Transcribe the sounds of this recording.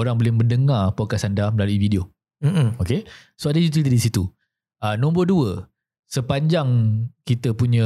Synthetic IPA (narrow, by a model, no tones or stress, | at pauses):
oɾaŋbolɪhmə̃ndəŋarpokasandaməlaluividio | m̩m̩oke | soadəjut̪̬it̪idisit̪u | ənɔ̃mboduə | səpaɲd͡ʒaŋkit̪əpuɲə̃